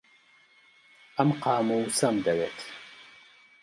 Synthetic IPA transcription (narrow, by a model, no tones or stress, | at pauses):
ɐmqɑːmuusɐmd̪ɐweːt̪ʰ